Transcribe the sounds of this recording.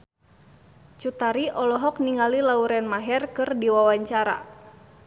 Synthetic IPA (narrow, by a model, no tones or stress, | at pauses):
t͡ʃut̪aɾiʔɔlɔɦɔk̚niŋalilauɾɛnmaɦɛrkɨrdiwawaɲt͡ʃaɾa̰